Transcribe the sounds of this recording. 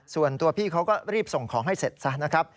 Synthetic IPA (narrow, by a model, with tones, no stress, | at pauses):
su˨˩ənt̪u˧ɐpʰiː˥˩kʰa˦˥wkɔː˥˩ɾiː˥˩p̚so˨˩ŋkʰɔː˩˦ŋɦa˥˩jse˨˩t̪̚sa˦˥na˦˥kʰɾa˦˥p̚